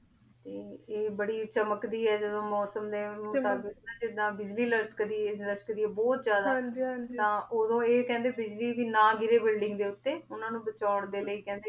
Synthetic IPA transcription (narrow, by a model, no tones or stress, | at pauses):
t̪eːeːbəɽiːt͡ʃəməkd̪iːɛːd͡ʒəd̪õːmɔːsəmd̪eːmʊaːbɪk̪aːd͡ʒɪd̪ãːbɪd͡ʒliːlət̪kəd̪iːnɾəsʈkəd̪iːɛːbɔːt̪zjaːd̪aaːd͡ʒt̪ãːʔoːd̪õːeːkɛ̃ːnd̪eːbɪd͡ʒliːʋiːnãːɡɪɾeːbɪlɖɪ̃ŋɡd̪eːʊt̪ːeːʊnãːnũːbət͡ʃaːɳd̪eːləiːkɛ̃ːnd̪eː